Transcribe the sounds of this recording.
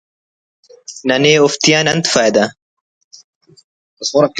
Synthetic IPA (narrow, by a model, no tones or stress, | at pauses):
nɐneːoft̪ijãːnɐnt̪faːjd̪ɐ | ɐsmoɾɐk